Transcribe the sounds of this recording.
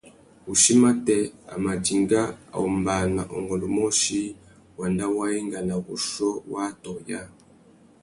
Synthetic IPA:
u˨ʃi˦ma˦tɛ˦˨a̰˨ma˨d͡ʒi˨ŋɡa˦a̰˨ɔ˨mba˨na̰˨ʔɔ˨ŋɡɔ˨lɔ˨mɔ˦ʃi˦ | wa˨nda˦wa˦i˦ŋɡa˨na˨ɣu˨ʃɔ˦wa˦tɔ˨ja˦

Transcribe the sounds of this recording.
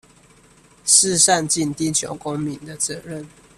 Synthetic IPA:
ʂ̩˥˨˧sa˥˨nt͡ɕi˥˨nt̪i˥˨t͡ɕʰjo̰˨˦ʊko˦ŋmi˨˦nd̪ə˨t͡sɤ˨˦ɻə˥˨n

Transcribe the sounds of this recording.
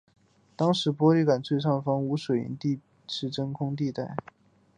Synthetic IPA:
t̪ɑ˥ŋʂɻ̩˧˥pwɔ˥li˥˩ka˨˩nt͡swe˥˧ɪʂɑ˥˩ŋfɑ˥ŋu˧˥ʂwe˨˩ɪḭ˧˥nt̪i˥˧ | ʈ͡ʂɻ̩˥˩ʈ͡ʂə˥ŋkʰʊ˥ŋt̪̬i˥˧t̪a˥˩ɪ

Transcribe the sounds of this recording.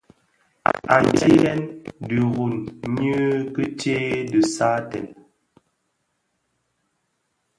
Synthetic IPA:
a˨n˨ti˦ɣɛ˦ndə˨ɣu˨nɲə˦kə˦t͡ʃe˦də˨sa˦tɛ̰˨n

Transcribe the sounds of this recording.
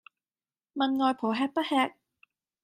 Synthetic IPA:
mɐ˨nŋɔː˨jpʰoː˨˩ɦɛː˧k̚pɐ˥t̚hɛː˧k̚

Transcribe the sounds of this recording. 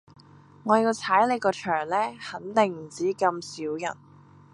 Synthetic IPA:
ŋɔː˨˧ji˧wt͡sʰaː˨˥jle˨˧jkɔː˧t͡ʃʰœː˨˩ŋlɛː˥hɐ˨˥nt̪ɪ˨˩ŋm̩˨˩t͡siː˨˥kɐ˧msiː˨˥wjɐ̰˨˩n

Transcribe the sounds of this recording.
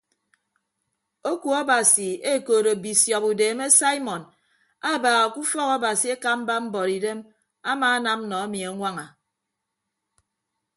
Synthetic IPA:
o˦ku˨ɔ˦ba˨si˨e˦˨koː˨ɾo˨bi˨sjɔ˨pu˨deː˨me˦sa˦i˦mɔ˨n | a˦˨baː˨ɣa˨ku˦fɔ˦kɔ˦ba˨si˨˦e˦ka˦m̩˦ba˦m̩˦bɔ˨ɾi˨de˦m | a˦maː˨a˦na˦m˦nɔ˨a˦mi˨a˨˦ŋʷa˦ŋa˨

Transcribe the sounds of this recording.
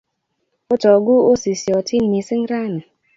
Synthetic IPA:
ʊ˦tɔ˨ɡʊ˦o˦si˨si˨ɔ˨ti˦n̩˦ni˨si˦n̩˦ɾa˦nɪ˨

